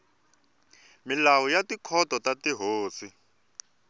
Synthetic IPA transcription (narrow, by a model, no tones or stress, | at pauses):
milawɔjatikʰɔtɔtatiɦoːsi